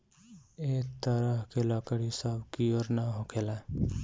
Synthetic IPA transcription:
eːk̚t̪əɾəɦkelɔkəɽisəbkijoɾnaɦokʰela

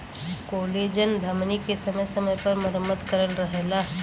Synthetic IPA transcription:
koːleːd͡ʒənd̪ʱɐmnikesɐməjsɐməjpɐɾməɾəmːəd̪kəɾənɾəɦeːlaɦɛ

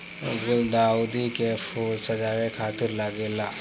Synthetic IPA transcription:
ɡuld̪aud̪ikefulsəd͡ʒaɾekʰat̪iɾlaɡela

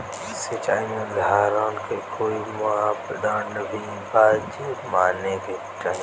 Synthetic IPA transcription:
sɪt͡ʃaːijõːd̪ʱaːɾãːnkʰeːkoːiːmʊaːbəɗ̪ãːnɐbʱi | baːd͡ʒmaːneːkeː | t͡ʃaːij̃

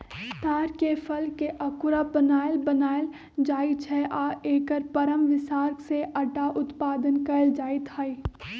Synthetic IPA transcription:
t̪aːɾkefɐlkeʔɐkʊɾabənaːɪlbɐnaːɪl | d͡ʒaːit͡ʃʰɛʔaːeːkəɾpɐɾəmʋɪsaːɾkseʔɐʈaʔʊt̪paːd̪ənkɐld͡ʒaːit̪ʰaːi

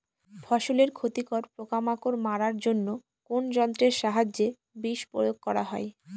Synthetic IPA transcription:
fʰɔʃoleɾkʰot̪ikoɾpɾokamakoɾmaɾaɾd͡ʑonːo | kond͡ʑɔnt̪ɾeɾʃaɦad͡ʑe | biʃpɾo̰joɡ̚kɔɾaɦɔe

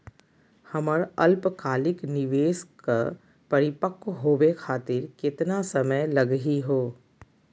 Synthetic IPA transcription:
hɐməɾɐlpkaːlɪknɪʋeːska | pɐɾɪpəkɦoːʋekʰaːt̪ɪɾkɪt̪nasɐməjlɐɡɦiɦoː

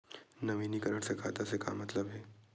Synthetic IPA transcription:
nɐʋiːnikəɾəɽ̃sekʰaːt̪aseka̰mɐt̪ləbɦɛː

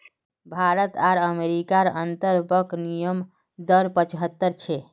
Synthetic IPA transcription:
bʱaɾət̪aɾəmeɾikaɾənt̪əɾbəknijəm | d̪əɾpət͡ʃɦət̪ːəɾt͡ʃʰɛ

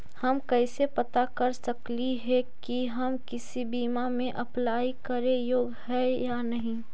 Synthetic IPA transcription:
hɐmkɛɪsepɐt̪akɐɾsɐkliɦɛkiɦɐmkɪsibiːmamẽʔɐplaːikɐɾẽjoːɡhɛjanɐɦĩ

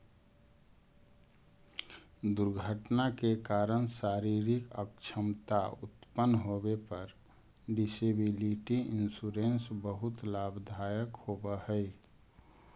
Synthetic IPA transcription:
d̪ʊɾɡʱəʈnakekaɾəñsaːɾiɾikə̰kt͡ʃʰəmt̪aʊ̰t̪pənːɦobepəɾ | ɖɪsebiliʈiɪnsuɾẽnsbəɦʊt̪laːbd̪ʱajəkhobəhəɪ

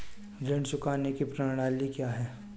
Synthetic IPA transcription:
d͡ʒɐɳɖsʊkaːnekipɾɐnɽaːlikjaːɦɛː

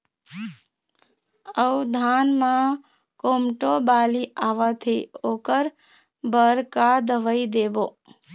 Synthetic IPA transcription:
əʋd̪ʱaːnmã | koːmʈobaːliaːʋat̪ʰioːkəɾ | bəɾkad̪əʋəid̪eːboː

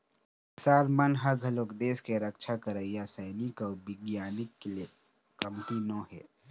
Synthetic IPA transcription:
saːɾmɐnɦɐɡʱɐloːkd̪eːskeɾɐkʃʰakɐɾaijasɐːnɪkɔːbɪɡjaːnɪkːle | kɐmt̪inõːɦɛ̰ː

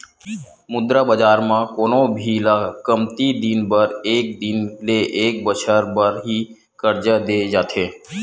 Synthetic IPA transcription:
mʊd̪ɾabəd͡ʒaːɾmãkoːnõbʱilakəmt̪id̪ɪnbəɾeːk̚d̪ɪnleʔeːk̚bət͡ʃʰəɾbəɾɦi | kəɾd͡ʒad̪eːd͡ʒaːt̪ʰeː

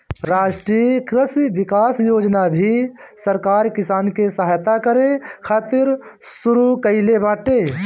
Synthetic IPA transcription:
ɾaːʃʈɾikɾɪsiʋɪkaːsjoːd͡ʒnabʱisəɾkaːɾkɪsaːnkesɐɦaːjt̪akəɾekʰaːt̪ɪɾ | sʊɾukəɪlebãːʈeː

